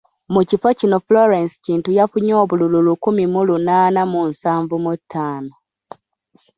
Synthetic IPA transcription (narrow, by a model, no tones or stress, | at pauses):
mucifocinofloɾensi̥ciːntujafuɲoːβulululukumimulunaːnamunsaːɱvumutʰːaːno